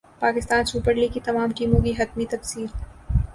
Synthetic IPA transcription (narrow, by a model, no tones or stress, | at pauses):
paːkɪst̪aːnsuːpəɾlikit̪ɐmaːmʈiːmõkiɦɐt̪mit̪ɐfsiːl